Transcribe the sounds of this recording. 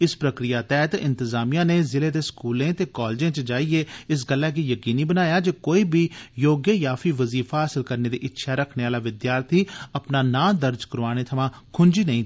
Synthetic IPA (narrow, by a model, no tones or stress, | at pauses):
ɪspɾəkɾɪjaːt̪ɛːt̪ɪ̰̃nt̪ɪzaːmijãːneːzɪleːd̪eːskuːlẽːt̪eːkaːld͡ʒẽːt͡ʃəd͡ʒaːieːɪs̬ɡəlːaːk̬iːjəkiːniːbənaːjaːd͡ʒeːkoːiːbʱiːjoːɡjəjaːfiːʋəziːfaːəsɪlkəɾneːd̪ḭːʔɪtːʃʰaːɾəkʰneːaːlaːʋɪd̪jaːɾt̪ʰiːəpnaːnãːd̪əɾd͡ʒkəɾʋaːñeːt̪ʰəʋãː | kʰʊnd͡ʒiːnəĩː